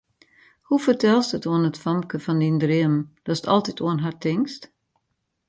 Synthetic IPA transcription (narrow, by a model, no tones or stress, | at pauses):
hufərtɛlˠstətoənətfɔmkəfɔndindrɪəmd̥ɔsə̥tɔ̰lˠtitʰuənɦartɪŋkst